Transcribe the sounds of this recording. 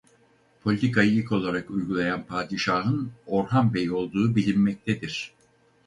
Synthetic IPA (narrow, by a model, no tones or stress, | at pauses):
pʰo̞lʲit̪ʰikajijʲiko̞lˠaɾakujɡulˠajanpʰaːd̪iʃaːɦɯno̞ɾɦanbejo̞lˠd̪uːbilʲimːɛc̚t̪ʰɛd̪iɾ̥